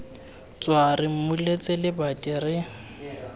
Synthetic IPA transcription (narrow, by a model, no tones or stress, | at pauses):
t͡sʼwarɪm̩mulet͡sʼɪlɪbatʼirɪ